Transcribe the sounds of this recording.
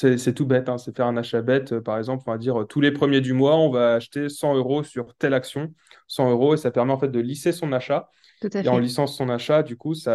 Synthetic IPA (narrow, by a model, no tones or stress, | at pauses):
sɛsɛt̪ubɛt̪ɛ̃sɛfɛʁɛ̃naʃabɛt̪ʰøpaʁɛɡzɑ̃plɔ̃fɛ̃d̪iʁøt̪ʰulepχəmjed̪ymwaɔ̃vaːʃt̪esɑ̃øʁosyʁt̪ɛlaksjɔ̃sɑ̃øʁoesapɛʁmɛɑ̃fɛt̪̚d̪əlisesɔ̃naʃa | ueɑ̃lisɑ̃sɔ̃naʃad̪ykusa